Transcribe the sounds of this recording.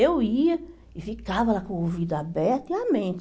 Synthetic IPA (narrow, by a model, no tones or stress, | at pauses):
ewiɐ | ɪfikavɐlakõovid̪ɐabɛɾt̪iamẽnt̪